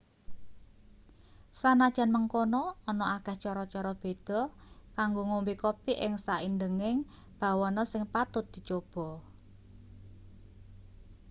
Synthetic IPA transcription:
sanad̥ʒ̥ä̤nməŋkonɔːnɔakɛht͡ʃɔɾɔt͡ʃɔɾɔb̥e̤d̪̥ɔ̤kaŋɡoŋombikopiʔɪŋsaʔindəŋɪŋ | b̥a̤wɔnɔsɪŋpat̪ʊt̪̚d̪̥i̤t͡ʃob̥ɔ̤

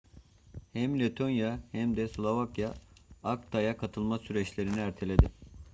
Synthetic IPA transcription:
hɛmlʲet̪ʰo̞njahɛmd̪ɛslˠovakjaːkt̪ʰajakʰat̪ʰɯlˠmasyɾɛt͡ʃlʲe̞ɾiniæɾt̪ʰe̞lʲe̞d̪ɪ

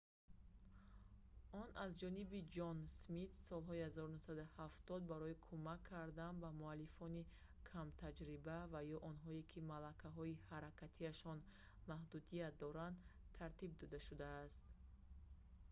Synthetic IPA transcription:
ɔnʔazd͡ʒɔnibid͡ʒɔnsmit̪sɔlɦɔihazɔɾunusad̪uhaft̪ɔd̪̚baɾɔikʰumakʰːaɾd̪anbamualːifɔni | kʰamt̪ʰad͡ʒɾibavajɔʔɔnɦɔekʰimalakʰaɦɔihaɾakʰat̪ʰiaʃɔn | mahd̪ud̪ijat̪̚d̪ɔɾand̪t̪ʰaɾt̪ib̚d̪ɔd̪aʃud̪aːst̪

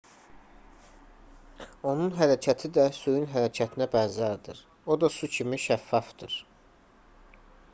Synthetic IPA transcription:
o̞nunɦæɾæcʰæt̪ʰid̪æsujunɦæɾæcʰæt̪ʰinæbænzæɾd̪iɾ | o̞d̪ɑsucʰimiʃæfːɑfd̪̥ɯɾ

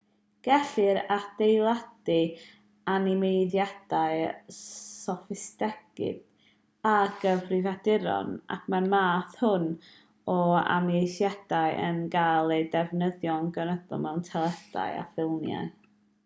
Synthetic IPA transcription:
ɡ̥ɛɬɨɾad̥ejlˠad̥ɨ | anɪmejðjad̥aɨ | sɔfɪstɛɡ̥ɪ̰d̥ | aɡ̥əvrɪvadɪɾɔ̰na̰kʰmanmaːθhʊn | ɔa̰mjejθjad̥aɨʔə̰nɡajlˠejdɛvnəðjɔnɡənədɔ̰mɛwntʰɛlˠɛd̥a̰ja̰fɪlˠnja̰ɨ

